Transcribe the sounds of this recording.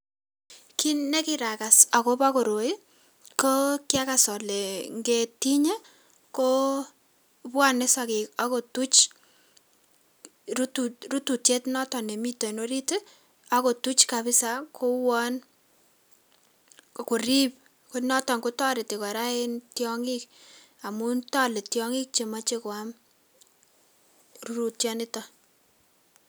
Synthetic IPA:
ki˦ne˦ki˦ɾa˨ka˨sa˨ko˦ba˦ko˨ɾo˨i˦ | ko˦kja˦ka˨sɔ˨le˨ŋɡe˦ti˦ɲe˦ | ko˦ | pwa˦ne˦sa˨kɪ˨kako˨tu˦t͡ʃ | ruturu˦tu˨tje˦tnɔ˦tɔ˨ne˨mi˦to˨no˦ɾi˦te˦ | a˦ko˨tu˦t͡ʃkabɪ˦sa˨ko˦wɔ˦n | ku˨ɾip̚ | konɔ˦tɔ˨ŋkʊ˦tɔ˦ɾɪ˨tɪ˨kɔ˨ɾa˦e˦ntjɔ˦ŋik | a˨mu˦ntɔ˦le˨tjɔŋi˦k̚t͡ʃe˨ma˦t͡ʃe˦ko˨am | ru˦ɾu˨tjɔ˦nɪ˦tɔ˨

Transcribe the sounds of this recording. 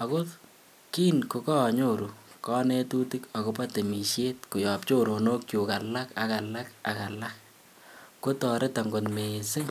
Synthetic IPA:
a˨ko˦ | ki˦nko˨kɔ˦˨ɲo˦˨ɾu˨kɔ˦ne˦tu˦ti˦ka˨ko˦pa˦te˨mi˨ʃje˦tkʊ˨jɔ˨p̚t͡ʃo˦ɾo˨no˦kju˨ka˨la˦ka˨ka˨la˦ka˨ka˨la˦k̚ː | o˦tɔ˨ɾe˦ta˨ŋɡo˨tme˨sɪ˦

